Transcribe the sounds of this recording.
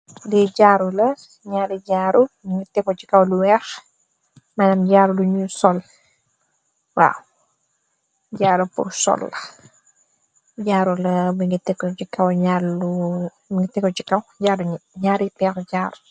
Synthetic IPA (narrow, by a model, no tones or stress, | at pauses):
dɛɟaːɾulɐ | ɲaːɾiɟaːɾubiŋɡitɛkːɔt͡ʃikɐwluwɛːx | manɐmɟaːɾuluɲusɔl | wa̰ːw | ɟaːɾupṵrsɔ̰lːɐ | ɟaːɾulɐbiŋɡitɛkːɔt͡ʃikɐwɲaɾlu | ŋɡitɛkːɔt͡ʃikɐwɟaːɾuɲuɲaːɾipɛːxɟaːɾu